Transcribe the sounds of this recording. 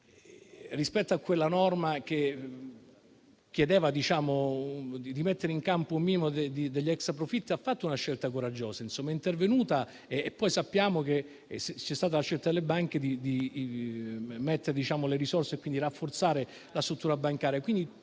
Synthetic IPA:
rispɛt̪ːoakːwelːanɔrmake | kjed̪eːvad̪it͡ʃaːmoid̪imet̪ːeɾeiŋkampoumiːnimod̪ed̪id̪eʎːɛkspɾofit̪ːiafːat̪ːounaʃːelt̪akoɾad͡ʒːoːsainsomːaɛint̪ervenuːt̪aː | pːɔjsapːjaːmok̟e | set͡ʃɛst̪aːt̪alaʃːelt̪ad̪elːebaŋked̪id̪i | met̪ːeɾed̪it͡ʃaːmoleɾisorseːkːind̪iɾafːort̪saːɾe | last̪ɾut̪ːuːɾabaŋkaːɾjakwind̪i

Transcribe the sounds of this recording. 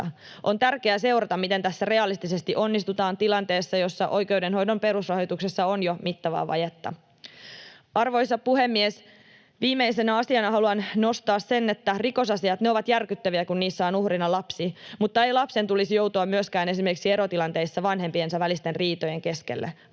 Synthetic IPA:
ʔont̪ærkeæse̞wrɑt̪ɑmmit̪ent̪æsːære̞ɑlist̪isest̪iʔo̞nːist̪ut̪ɑːnt̪ilɑnt̪e̞ːsːɑjo̞sːɑʔo̞jke̞udenɦo̞jdo̞mpe̞ɾusrɑhjot̪uksesːɑonjomit̪ːɑʋɑ̰ːʋɑ̰jet̪ːɑ̰ | ɑrʋo̞jsɑpuhemːies | ʋiːmːeisenæɑsiɑnɑhɑluɑnnost̪ɑːssenːet̪ːæriko̞sɑsiɑt̪neo̞ʋɑt̪jærkyt̪ːæʋiækunniːsːæonuhrinɑlɑpsiːmut̪ːɑejlɑpse̞nt̪ulisjo̞wt̪uɑmmyøskæːne̞simerkiksieɾot̪ilɑnt̪e̞isːɑʋɑnɦempiensɑʋælist̪enriːt̪ojeŋke̞skḛlːʔæ̰

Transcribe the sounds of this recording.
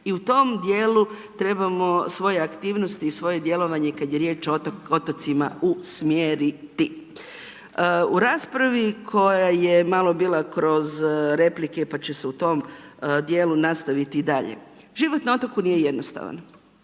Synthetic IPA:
iut̪o̞md̪je̞ːlu | t̪ɾe̞bamo̞sʋo̞je̞akt̪iːʋno̞st̪iːsʋo̞je̞d̪je̞lo̞ʋaɲe̞kad̪je̞ɾje̞ːt͡ʃoo̞t̪at̪sima̰usmjeːɾit̪i | uɾaːspɾaʋikʰo̞jaje̞malˠo̞biːlˠakɾo̞zɾe̞plikepat͡ɕeseut̪o̞md̪je̞ːlˠunast̪aʋit̪id̪aʎḛ | ʒiʋo̞t̪nao̞t̪okuniːje̞je̞d̪nost̪a̰ʋa̰n

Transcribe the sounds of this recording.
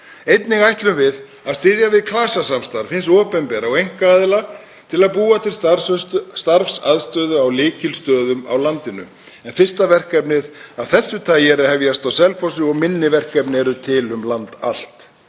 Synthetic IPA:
ejt̪nɪɣajht̪lʏmvɪð | aðst̪ɪðjavɪðkʰlaːsasamst̪aɾfɪns̬ɔːpɛnpɛːɾaɔwɣejŋ̥kaaðɪla | t̪ʰɪlaðpuːat̪ʰɪls | st̪aɾfsaðst̪œːðʏawlɪːcɪlst̪œːðʏma̰wlant̪ɪnʏ̰ | ɛnfɪr̥st̪avɛr̥kɛpnɪðaðθɛsːʏt̪ʰaːjɛɾahɛvjast̪awsɛlfɔsɪɔɣmɪnːɪvɛr̥kɛpnɪɛɾʏt̪ʰɪlʏmlant̪a̰l̥t̪

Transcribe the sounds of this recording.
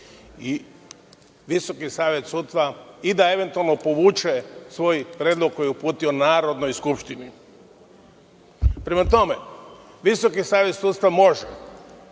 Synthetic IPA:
i | ʋiso̞kisaːʋjet̪sut̪st̪ʋaid̪ae̞ʋe̞nt̪ualˠnopo̞ʋuːt͡ʃesʋo̞jpɾʲjeːd̪lˠoɡ̚ko̞jiupuːt̪io̞naːɾo̞d̪nojskupʃt̪ini | pɾemat̪o̞me | ʋiso̞kisaːʋje̞t̪suːt̪st̪amo̞ʒɛ

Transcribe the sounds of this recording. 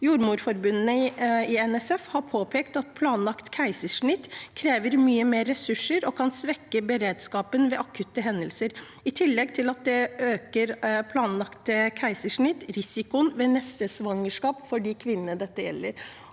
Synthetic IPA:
juːɾmuːɖfɔɾbʉnnəɪɛnɛsɛfhɑɾpʰoːpʰeːkt̪ɑt̪̚pʰlɑːnlɑkt̪kʰæɪsəʂɳɪt̪ːkʰɾeːʋəɾmyːəmeːɾːɛsʉʂəɾɔkʰɑnsʋɛkːəbəɾeːd̪skɑːpənʋɛʔɑkʰʉt̪ːəɦɛnd̪əlsəɾ | ɪt̪ʰɪlːɛɡ̚t̪ʰɪlɑt̪̚d̪ɛøːkəɾpʰlɑːnlɑkt̪əkʰæɪsəʂɳɪt̪ːɾɪsɪkʊnʋeːnɛst̪əsʋɑŋːəʂkɑːpfɔɖiːkʰʋɪnənəd̪ɛt̪ːəjɛ̰lːəɾ

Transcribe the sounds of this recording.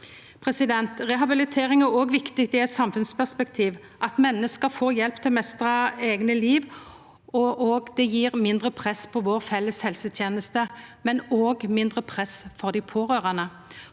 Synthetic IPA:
pʰɾɛsɪd̪ɛnt̪ʁɛɦɑbɪlɪt̪ʰeːʁɪŋæʁoːɡʋɪkt̪ɪɡ̚d̪ɛɛsɑmfʉnspæʁspɛkt̪ʰiːʋ | ʔɑt̪mɛnːəskəfoːjɛlpt̪ʰɪlmɛst̪ʁɑeːɡnəliːʋ | ɔʔoːɡd̪ɛjiːʁmɪnd̪ʁəpʰʁɛspʰɔʋoːʁfɛlːəshɛlsət̪ʰjeːnəst̪əmɛnoːɡmɪnd̪ʁəpʰʁɛsfɔʁd̪ɪpʰoːɾøːʁɑnə

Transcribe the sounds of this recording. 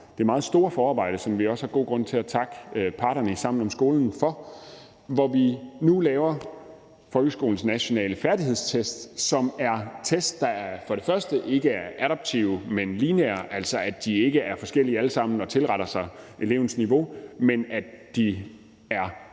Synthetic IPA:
d̥e̝ɐmɑ̈ːð̞̩ˠsd̥o̝ːɐfɒːɑ̈ːb̥ɑ̈ɪ̰ɾ̥əsɒ̽mʋiɒ̽shɑ̈ɡ̥o̝̰ːɡ̥ʁɔ̽n̰t͡sʰe̝æt͡sʰɑ̈ɡ̥əøpʰɑ̈ːɾɐnəisɑ̈m̰n̩ɒ̽msɡ̥o̝ːln̩fɒ̽ | ʋɒʋinulɛːʊɐ | fɒ̽lɡ̥əsɡ̥o̝̰ːln̩snæɕo̝nɛ̰ːləfæɐd̥ihe̝ð̞̰ˠst͡sʰesd̥sɒ̽mæɐt͡sʰesd̥ːɑ̈fɒ̽ɾ̥e̝fɶɐsd̥əʔe̝ɡ̥əæɐʔæɾɒb̥̚t͡sʰiʊmenlineɐʔæl̰sɒ̽æ̥d̥ie̝ɡ̥əæɐfɒ̽sɡ̥el̰iæləsɑ̈m̰n̩ɒ̽t͡sʰe̝lʁɑɾɐsɑ̈ɪʔe̝le̝ʊ̰n̩sniʋo̝menæ̥d̥i | æɐ

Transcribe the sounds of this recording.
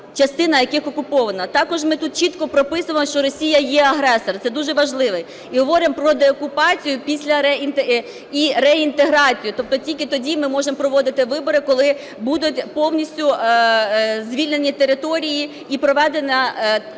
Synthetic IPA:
t͡ʃɐst̪ɪnɐjɐkɪxɔkʊpɔʋɐnɐt̪ɑkɔʒmɪt̪ut̪̚t͡ʃit̪kɔpɾɔpɪsʊʋɐmɔʃt͡ʃɔɾɔsʲijɐjɛɐɦɾɛsɔrt̪sɛd̪uʒɛʋɐʒlˠɪʋɛ | iɦɔʋɔɾɪmpɾɔd̪eɔkʊpɑt͡sʲijʊpʲisʲlʲɐɾɛint̪e | iɾɛint̪eɦɾɑt͡sʲijʊt̪ɔp̚t̪ɔtʲilʲkɪt̪ɔdʲimɪmɔʒempɾɔʋɔd̪ɪt̪ɪʋɪbɔɾɪkɔlˠɪ | bud̪ʊtʲpɔwnʲisʲtʲʊ | zʲʋʲilʲne̞nʲit̪eɾɪt̪ɔɾʲiji | ipɾɔʋɛd̪enʲɐ

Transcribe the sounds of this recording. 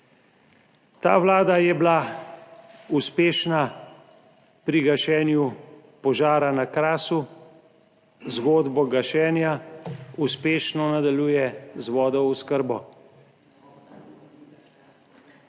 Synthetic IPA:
t̪a̰ːʋlaːd̪ajɛbla | uspeːʃna | pɾiɡaʃɛːnju | pɔʒaːɾanakɾaːsu | zɡoːd̪bɔɡaʃɛːnjauspeːʃnɔnad̪aljuːjɛzʋɔːd̪ɔwuskəɾbɔ

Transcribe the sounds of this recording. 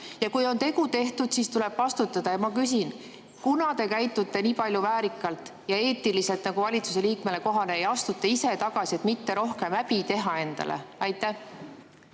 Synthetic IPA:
jɑkujo̞nt̪e̞kut̪e̞ht̪ud̪̥sist̪ule̞b̥vɑst̪ut̪ːˑɑd̪̥ɑjɑmɑkys̬in | kunɑt̪e̞kæjt̪ːˑut̪ːˑe̞niːpɑlʲjuvæːɾikːˑɑlt̪ˑjɑe̞ːt̪ːˑilise̞lt̪ˑnɑɡuvɑlʲit̪suse̞liːkmele̞ko̞ɦɑneejɑst̪ut̪ːˑɑise̞t̪ɑɡ̥ɑsie̞t̪mit̪ːe̞ɾo̞hke̞mæpit̪e̞ɦɑe̞nd̪̥ɑ̰lḛɑjt̪ːˑæh

